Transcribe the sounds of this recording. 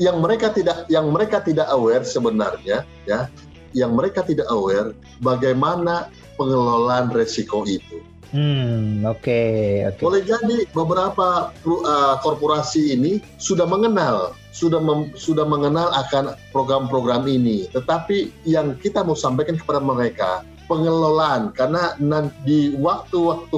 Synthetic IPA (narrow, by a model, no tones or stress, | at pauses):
jaŋməɾekat̪idak̚jaŋməɾekat̪idakawɛrsəbəna̰rɲa | ja | jaŋməɾekat̪idakəwɛr | baɡajmana | pəŋəlolanresikoit̪u | m̩okeo̰kbolɛhd͡ʒadibəbəɾapapəkɔrpoɾasiːni | sudahməŋənal | sudaməsudahməŋənalakanpɾoɡɾampɾoɡɾaminit̪ət̪apijaŋkit̪amausampajkankə̥padaməɾeka̰ | pəŋəlolaːnkarnanandiwak̚t̪uwak̚t̪u